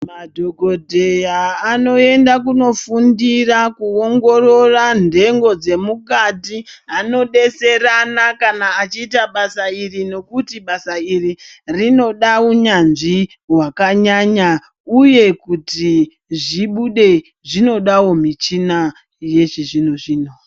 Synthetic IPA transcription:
madʱo̞ɡʱo̞dʱe̞jaːno̞e̞ndak̬uno̞fundirakuoŋɡo̞ro̞rande̞ŋɡo̞d͡ze̞mukatiɦano̞ɗe̞se̞ranakanaːt͡ʃiːtaɓasairino̞kutiɓasairirino̞ɗauɲanʐi | wakaɲaɲa | uje̞kuti | ʐiɓuɗe̞ | ʐino̞ɗawo̞mit͡ʃina | je̞ʐiʐinoʐiːno

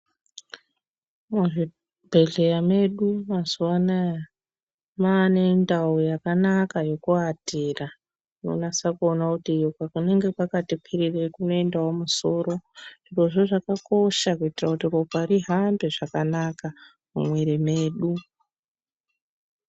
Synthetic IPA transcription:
muʐi | bʱe̞ɮejame̞ɗumazuwanaja | maːne̞ndaujakanakajo̞kuatera | no̰nasakuonakutijokakune̞ŋɡe̞pakatipʰirirekuno̞endawomuso̞ːɾo̞ʐiro̞ʐo̞ʐakako̞ʃakuitirakutiropariɦambe̞ʐakanaka | mṵmweɾemeːɗu

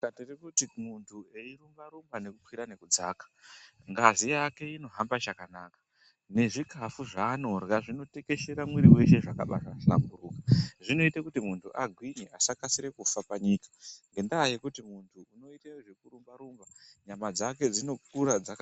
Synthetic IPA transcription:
katirikutimuntʰueiɾumbaɾumbane̞kukwiɾane̞kud͡za̰kḁŋɡazijake̞ino̞ɦambat͡ʃakanaːkḁ | ne̞ʐikafuʐaːno̞rɣaʐino̞te̞ke̞ʃe̞ɾamwiɾiwe̞ʃe̞ʐakaɓa̰ʃala̰mɡuruːkḁʐino̞itakutimuntʰuʔaɡʱwiɲeʔasakasiɾe̞kufapaɲiːkḁŋɡe̞ndaːje̞kutimuntʰuːno̞itewoʐekurumbaɾumbaɲamad͡zake̞d͡zino̞k̚uɾad͡zak

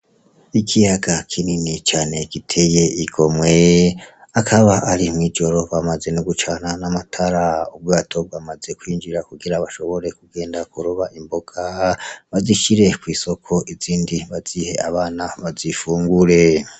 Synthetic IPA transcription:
ikʰijaɡakʰininit͡ʃaːne̞ɡitʰe̞je̞iɡo̞mwe̞ | akʰaβaʔaɾimŋiːd͡ʒo̞ɾo̞βamaze̞nuɡut͡ʃananamatʰaɾaub̚ɡaːtʰo̞bɡamaze̞kwiːnd͡ʒiɾakuɡiɾaβaʃo̞βo̞ɾe̞kuɡe̞ːndakuɾuβaʔimbo̞ɡ̥aβaziʃiɾe̞kwiːso̞kʰo̞ʔiziːndiβaz̥ihe̞aβaːnaβazifuːŋɡuɾe̞

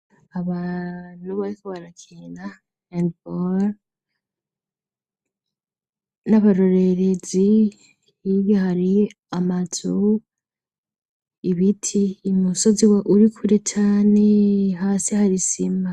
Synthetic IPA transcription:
aβan̥uβaɾikoβaɾakʰiːna | endbol | naβaɾo̞ɾeɾe̞zi | iβjahaɾi | amatʰo | iβitʰiːmuso̞ziwaʔuɾikʰuɾet͡ʃaːne̞ɦaːsihaɾisima

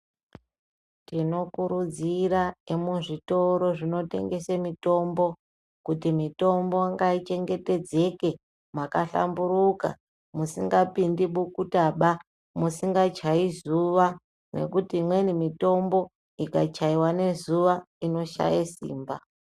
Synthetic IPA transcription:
tino̞kuɾud͡ziɾaemuʐito̞ɾo̞ʐino̞te̞̰ŋɡe̞semito̞mbo̞ | kutimito̞mbo̞ŋɡait͡ʃe̞ŋɡe̞te̞d͡ze̞ke̞ | makaɬa̰mbuɾuka̰ | musiŋɡapindiɓukutaɓa | musiŋɡat͡ʃaizuʋa | ne̞̰kutimwenimito̞mbo̞ | ikat͡ʃaiwane̞zuʋa | ino̞ʃa̰jasḭːmba

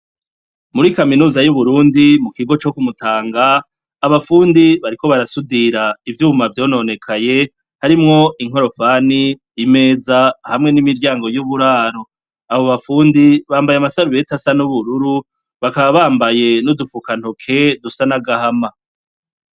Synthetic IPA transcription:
muɾikaminuːzajuβuɾuːndimukiɡo̞t͡ʃo̞kumutaːŋɡaː | βafuːndiβaɾiko̞βaɾasudiɾaivjuːmavjo̞ːno̞ːne̞kʰaje̞ | haɾimŋo̞iŋ̥ɦo̞ɾo̞faːniː | me̞ːzahamŋe̞nimiɾɟaːŋɡo̞juβuɾaːɾo̞ | aβoβafuːndiβaːmbajamasaɾuβe̞tasanuβuɾuɾu | βakaβaβaːmbaje̞nudufukan̥ho̞kʰe̞dusanaɡahama

